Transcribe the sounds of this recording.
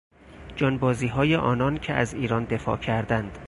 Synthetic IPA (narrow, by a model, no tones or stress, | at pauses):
d͡ʒɒːnbɒːziːɦɒːjeʔɒːnɒncʰeʔæziːɾɒːnd̪e̞fɒ̰ːcʰæɾd̪ænd̪̥